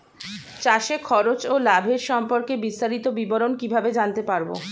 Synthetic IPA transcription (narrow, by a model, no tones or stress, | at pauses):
t͡ɕaʃekʰɔɾot͡ɕolabʱeɾʃɔmpoɾkebist̪aɾit̪obiboɾonkibʱabed͡ʑant̪epaɾbo̰